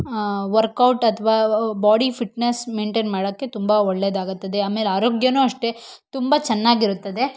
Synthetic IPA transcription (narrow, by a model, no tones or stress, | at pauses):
ʋɐɾkɐwʈɐt̪ʰɐʋaːbaːɽifiʈnesmeːɳʈeːnmaːɽɐkːe̞t̪umbɐɔɭːed̪aːɡut̪ːɐd̪e̞aːmelaːɾoːɡjɐnuːɐʂʈe̞t̪umbɐt͡ʃɐnːaːɡiɾut̪ːɐd̪e̞